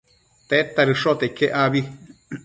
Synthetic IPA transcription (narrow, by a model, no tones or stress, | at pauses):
t̪et̪aɾɨʂot̪eikʰeʔaβi